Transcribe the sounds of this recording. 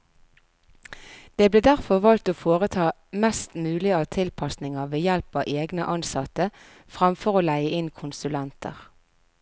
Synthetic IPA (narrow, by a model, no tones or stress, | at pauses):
d̪̥eːbleːd̪æʁfɔʁʋɑlt̪oːfoːʁət̪ʰɑː | mɛst̪mʉːlɪɑt̪ʰɪlpʰɑsnɪŋəʋeːjɛlpɑːʔeːɡnəʔɑnsɑt̪ə | fʁɑmfɔʁoːlæɪəʔɪnkʰʊnsʉlɛnt̪ʰə̰ʁ